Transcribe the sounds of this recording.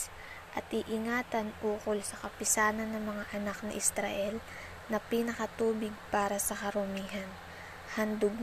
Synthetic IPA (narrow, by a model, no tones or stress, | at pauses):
ʔɐt̪ʔɪʔɪŋaːt̪ɐnʔuːkolsɐkɐpɪsaːnɐnːɐŋmɐŋaʔɐnak̚nɐ̰ʔɪst̪ɾaʔɛl | nɐpinɐkɐt̪uːbɪɡ̚paːɾɐsɐkɐɾʊmiːɦɐn | hɐnd̪ʊɡ̚